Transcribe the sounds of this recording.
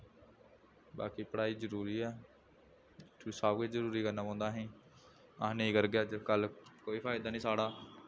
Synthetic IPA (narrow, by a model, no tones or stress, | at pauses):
ba̰ːkiːpəɽaːiːd͡ʒəɾuːɾiːɛː | saːbkeːd͡ʒəɾuːɾiːkəɾnãːpãːnd̪aːɦĩː | ãnĩːkəɾɡɪjaːd͡ʒəkəlkoːiːpʰaːɪd̪aːnĩːsaːɽaː